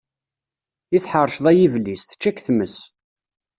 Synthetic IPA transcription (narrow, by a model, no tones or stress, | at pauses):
iθħəɾˤʃðˤæjivlisθə̥t͡ʃːækθməs